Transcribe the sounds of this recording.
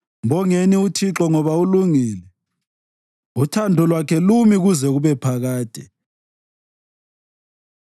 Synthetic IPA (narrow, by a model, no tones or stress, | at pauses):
mbɔŋeniutʰiǁɔŋɔβauluŋiːlɛ | utʰandʱɔlwakʰɛlumiɣuzɛɣuβɛpʰaɣaːd̥ʱɛ̰